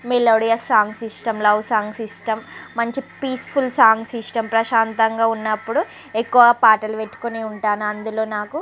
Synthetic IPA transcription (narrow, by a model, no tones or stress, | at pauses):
meloːɽijɐsːaːŋɡsisʈɐmlɐwsaːŋɡsisʈɐmːɐɲt͡ʃipiːspʰulsaːŋɡsisʈɐmpɾɐʃaːnt̪ɐŋɡaːunːɐpːuɽu | ekːuʋɐpaːʈɐlʋeʈːu̥koniuɳʈaːnuɐnd̪ulo̞ːnaːku